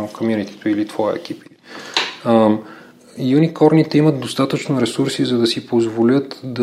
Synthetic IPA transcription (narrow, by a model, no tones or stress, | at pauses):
kʰomjunit̪i̥t̪oilit̪v̥ɔjə̰ɛ̰k̟ʲipi | junikɔɾnit̪ɛiməd̪̚d̪ost̪at̪ət͡ʃnoɾɛsuɾsizɐd̪ɐsipozvolʲət̪d̪ɐ